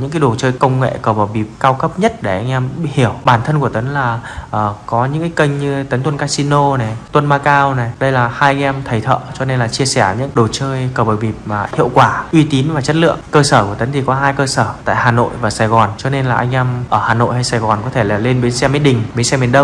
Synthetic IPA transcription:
ɲɨ̰˧˥ŋkaː˨˦jɗo˨˩t͡ɕəː˧jkə˧wŋ͡mŋḛ˧˨kəː˧˩ɓə˨˩wɓi˨˩p̚kaː˧wkə˦˥p̚ɲə˦˥t̚ɗe˧˩ʔa˧jŋ̟ʔɛ˧mhi˧˩əwɓaː˧˩nt̪ʰə˧nku˧˩ət̪ə˨˦ŋlaː˨˩ʔəː˨˩kɔ˨˦ɲɨ̰˧˥ŋkaː˨˦jkə˧jŋ̟ɲɨ˧t̪ə˨˦nt̪ʰwə˧nkaː˧si˧no˧nɛ˨˩t̪wə˧nmaː˧kaː˧wna˨˩ɗə˧jlaː˨˩haː˧jʔa˧ŋʔɛ˧mt̪ʰə˨˩jt̪ʰə̰ː˧˨t͡ɕɔ˧ne˧nlaː˨˩t͡ɕi˧əsɛ˧˩ɲɨ̰˧˥ŋɗo˨˩t͡ɕəː˧jkəː˨˩ɓəː˨˩wvi˨˩p̚maː˨˩hḭ˧˨ə˨wkwaː˧˩ʔwi˧t̪i˨˦nvaː˨˩t͡ɕə˦˥t̚lɨ̰˧˨əŋkəː˧səː˧˩ku˧˩ət̪ə˨˦ŋt̪i˨˩kɔ˨˦ɦaː˧jkəː˧səː˧˩t̪a̰ː˧˨jhaː˨˩no̰˧˨jvaː˨˩saː˧˩jɣɔ˨˩nt͡ɕɔ˧ne˧nlaː˨˩ʔa˧jŋ̟ʔɛ˧mʔəː˧˩haː˨˩no̰˧˨jha˧jsaː˧˩jɣɔ˨˩nkɔ˨˦t̪ʰe˧˩la˨˩le˧nɓe˨˦nsɛ˧mi˨˦ɗï˨˩ŋ̟ɓe˨˦sɛ˧mi˨˩ənɗə˧ŋ͡m

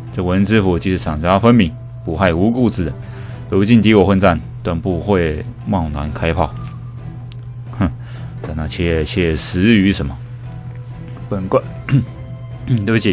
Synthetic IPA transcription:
ʈ͡ʂɤ˥˧wə˧˦˥nt͡sɹ̩˥fu˨˩t͡ɕi˧˥ʂ̩ʰ˥˩ɑ˨˩ŋt͡ɕa˥fə˥nmi˧˥ŋ | pu˨˩xa˥˩ɪu˧˥ku˥˧t͡sɹ̩˥˩d̪ə˩ | t̪o˧˥ʊt͡ɕi˥˩nt̪i˧˥wɔ˨˩xwə˥˧nt͡sa˥˩n | t̪wa˥˧npu˥˧xwe˥˧˩ɪmɑ˥˩ŋnwa̰˧˥nkʰa˥ɪpʰɑ˥˩ʊ˧ | t͡sa˨˩na˥˧˩t͡ɕʰɛ˥˩˧t͡ɕʰɛ˥˩˨ʂɻ̩˧˥y˧˥ʂə˧˥nmə˨ | pə˨˩nkwe˥˩ | t̪o˧˥ʊt͡ɕi˨˩

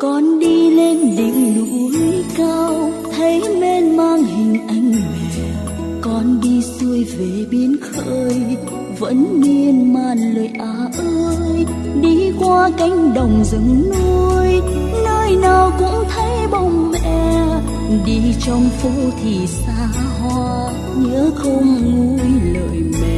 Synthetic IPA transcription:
kɔ˨˩nɗi˧le˧nɗï˧˨ŋ̟lṵ˧˩˦kaː˧w | t̪ʰə˨˦jme˧nmaː˧ŋhï˨˩ŋ̟ʔa˧jŋ̟mɛ˧˨˩ | kɔ˨˩nɗi˧su˧əjve˨˩ɓi˨˦ənxəː˧j | və̰˧˥nmi˧ənmaː˨˩nləː˨˩jʔaː˨˩ʔəː˧jɗi˧kwaː˧ka˧˦jŋ̟ɗə˨˩wŋ͡mzɨ̰˧˩ŋnu˧əj | nəː˧jnaː˨˩wkʊ̰˧˥ŋ͡mt̪ʰə˨˦jɓɔ˨˩wŋ͡mvɛɛ˧ | ɗi˧t͡ɕɔ˧wŋ͡mfu˧t̪ʰi˨˩saː˧˩ | ɦɔ˧ | ɲɨ̰˧˥xə˧wŋ͡mŋu˧˦jlə̰ː˧˨˩jmɛ˨˧˨

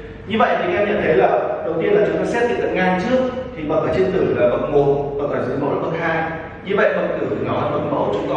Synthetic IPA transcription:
ɲɨ˧və̰˧˨jt̪ʰi˨˩˨ʔɛ˧mɲa̰˧˩nt̪ʰə˨˦jlaː˨˩ɗə˨˩wt̪̬i˧ənlaː˨˩ɨ˨˦kɔ˧˦sɛ˦˥t̚kḭ˧˨˩kə˨˩ŋaː˧˩nt͡ɕɨ˦˥ək̚t̪ʰi˨˩ɓa˨˩faː˧˩t͡ɕe˧nt̪ɨ˧˩laː˨˩və̰˨˩t̚mo˨˩ɓə̰˨˩faː˧˩zɨ̰˨˦mə̰˨˦wla̰ː˨˧˩ɓə˨˧˥t̚haː˧˩n | ɲɨ˧və̰˧˨jɓə˨˧˩wŋ͡m̚t̪ɨ˧˩˨nɔ˨˦˧mə˨˩t̚mə˨˦wt͡ɕʊ˨˦ŋ͡mkɔ˨˦

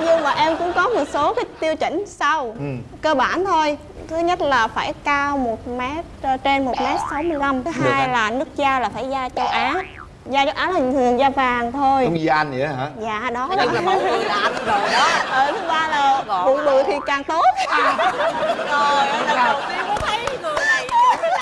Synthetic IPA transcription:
ɲɨ˧ŋmaː˨˩ʔɛ˧mkʊ̰˧˥ŋ͡mkɔ˨˦mo˨˩t̚so˨˦kaː˨˦jt̪i˧əwt͡ɕï˧˩˨ŋ̟sa˧wkəː˧ɓaː˧˩nt̪ʰo˧j | t̪ʰɨ˨˦ɲə˦˥t̚laː˨˩faː˧˩jkaː˧wmo˨˩t̚mɛ˦˥t̚t͡ɕe˧nmo˨˩t̚mɛ˦˥t̚sa˨˦wmɨ˧əjla˧mɨ˨˦ɦaː˨˧jjlaː˨˩nɨ˦˥ək̚zaː˧laː˨˩faː˧˩jzaː˧t͡ɕə˨˧˦wʔaː˨˦ | zaː˧t͡ɕə˧wʔaː˨˦naː˨˩˨t̪ʰɨ˨˩əŋzaː˧vaː˨˩ŋt̪ʰo˧jŋ͡mi˧a˧nḭ˧˥ɦaː˨˦zaː˧˩˨ɗɔ˨˦˧ | ɔ˨˦ʔəː˧˩t̪ʰɨ˨˦ɓaː˧laː˨˩ɓṵ˨˧˩ənɓɨ˨˩əjt̪ʰi˨˩kaː˨˩ŋt̪o˦˥t̚ | zo˨˩jna˨˧ə̰˩˧˩ŋ͡ma˧kːt̪ʰə˨˦jzɨ˨˩ə˨˦˨

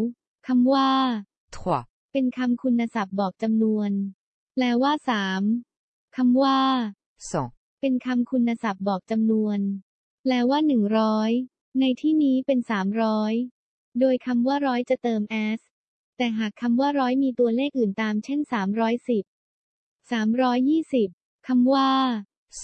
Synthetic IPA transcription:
kʰa˧mwaː˥˩ | t̪ʰu˨˩a˨˩ | pe˧nkʰa˧mkʰu˧nːa˧sa˨˩p̚bɔː˨˩k̚t͡ɕa˧mnu˧ən | lɛː˦˥waː˥˩saː˩˦m | kʰa˧mwaː˥˩ | sɔ̰˨˩˦ŋ | pe˧nkʰa˧mkʰu˧nːa˧sa˨˩p̚bɔː˨˩k̚t͡ɕa˧mnu˧ən | lɛː˦˥waː˥˩nɯ˨˩ŋɾɔː˦˥j | na˧jt̪ʰiː˥˩niː˦˥pe˧nsaː˩˦mɾɔː˦˥j | doː˧jkʰa˧mwaː˥˩ɾɔː˦˥jt͡ɕa˨˩t̪ɤː˧mʔɛː˦˥s | t̪ɛː˨˩ɦaː˨˩kʰːa˧mwaː˥˩ɾɔː˦˥jmiː˧t̪u˧ɐleː˥˩k̚ʔɯː˨˩nt̪aː˧mt͡ɕʰe˥˩nsaː˩˦mɾɔː˦˥jsi˨˩p̚ | saː˩˦mɾɔː˦˥jːiː˥˩si˨˩p̚ | kʰa˧mwaː˥˩

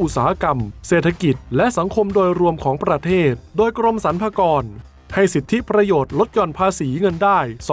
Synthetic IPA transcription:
ʔu˨˩t̪̚saː˩˦˧ka˧mseː˨˩t̪ʰːa˧ki˨˩t̪̚lɛ˦˥ʔsa˩˦ŋkʰo˧mdoː˧jɾu˧əmkʰɔː˩˦ŋpɾa˧t̪ʰeː˥˩t̪̚doː˧jkɾo˧msa˩˦npʰaː˧kɔː˧n | ha˥˩jsi˨˩t̪ʰːi˦˥pɾa˧joː˨˩t̪̚lo˦˥t̪̚t͡ɕɔː˨˩npʰaː˧siː˩˦ŋɤ˧ndaː˥˩js

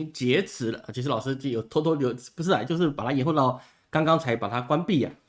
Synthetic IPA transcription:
ŋt͡ɕjɛ˧˥t͡sʰɹ̩˧˥lə̰˧˩t͡ɕʰi˧˥ʂ̬̩˧˥lɑ˨˩ʂɻ̩˥t͡ɕjo˨˩ʊt̪ʰwɔ˥t̪ʰwɔ˥ljo˧˥ʊt͡s̩˨˥˩pu˧˥ʂ̬ɻ̩˥˩ɐ˨˩t͡ɕjo˥˧ʊʂ̬ɻ̩˥˩pa˨˩t̪ʰa˥i˧˥nxo˥˧t̪ɑ˥˩ʊ | kɑ˥ŋkɑ˥ŋt͡sʰa˧˥ɪpa˨˩t̪ʰa˥kwa˥npi˥˩ɐ̰˨˩

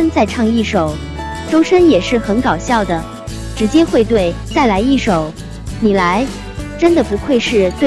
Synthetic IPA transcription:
ə˥nt͡sa˥˧ɪʈ͡ʂʰɑ˥˧ŋi˥˩ʂo˨˩˦ʊ | ʈ͡ʂo˥ʊʂə˥njɛ˨˩ʂɻ̩˥˩xə˧˥nkɑ˨˩ʊɕjɑ˥˩ʊd̪ə˩ | ʈ͡ʂɻ̩˧˥t͡ɕjɛ˥xwe˥˧ɪt̪̬we˥˩ɪt͡sa˥˩ɪla˧˥ɪi˥˩ʂo˨˩˦ʊ | ni˨˩la˧˥ɪ | ʈ͡ʂə˥nd̪ə˨˩pu˧˥xʰwe˥˧ɪʂɻ̩˥˧t͡swe˥˩

